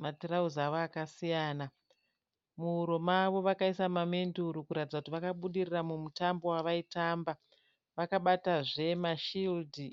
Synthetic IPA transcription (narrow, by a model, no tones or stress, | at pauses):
matirauzaʋoakasijaːna | muuɾo̞maʋo̞ʋakaisamame̞nduɾukuɾatid͡zakutiʋakaɓuɗiriramumutambo̞waʋaitamba | ʋakaɓataʐe̞maʃildʱi